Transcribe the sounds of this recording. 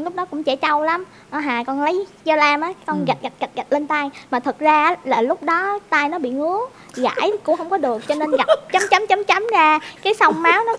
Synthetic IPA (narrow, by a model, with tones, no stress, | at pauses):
lʊ˦˥k͡p̚ɗɔ˨˦kʊ̰˧˥ŋ͡mt͡ɕɛ˧˩˥t͡ɕa˧wla˨˦m | nɔ˨˦ɦaː˨˩kɔ˧nlə˨˦jt͡ɕə˧laː˧mʔaː˨˦kɔ˧nɣa˨˩t̚ɣa˨˩t̚ɣa˨˩t̚ɣa˨˩t̚le˧nt̪aː˧jmaː˨˩t̪ʰɨ˨˩k̚zaː˧˦laː˨˩lʊ˦˥k͡p̚ɗɔ˨˦t̪aː˧jnɔ˨˦ɓḭ˧˨ŋɨ˨˦ə | ɣa̰ː˧˨˧jkʊ̰˧˥ŋ͡mhə˧wŋ͡mkɔ˨˦ɗɨ˨˩ək̚t͡ɕɔ˧ne˧nɣa˨˩p̚t͡ɕa˨˦mt͡ɕa˨˦mt͡ɕa˨˦mt͡ɕa˨˦mzaː˧kaː˨˦jsə˧wŋ͡mmaː˨˦wnɔ˨˦